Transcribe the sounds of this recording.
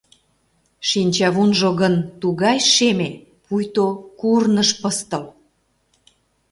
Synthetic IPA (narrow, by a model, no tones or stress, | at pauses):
ʃinʲt͡ɕɑβunʒoɣənt̪uɣɑjʃeme | pujt̪okurnəʃpəst̪əl